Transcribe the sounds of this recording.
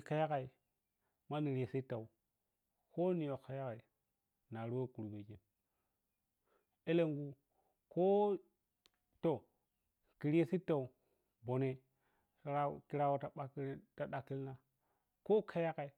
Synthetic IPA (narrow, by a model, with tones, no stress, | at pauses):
ka˨ja˦ka˨i˨ | ma˦ni˨ɾi˨je˨si˦tːa˨u˨ | ko˦ni˨jo˨ka˨ja˦ka˨i˨ | na˨ɾu˦wo˦ku˨ɾu˨be˨ki˨n | e˦le˦ŋɡu˦ | ko˦ | to˦˨ | ki˨ɾi˦e˦˨si˦tːa˨u˨ | bo˨ne˨˦ | a˦˨ki˦ɾa˦wo˦ta˨ɓa˦ki˦ta˨ɗa˨ki˦lna˦ | ko˦kʰa˨ja˦ka˨i˨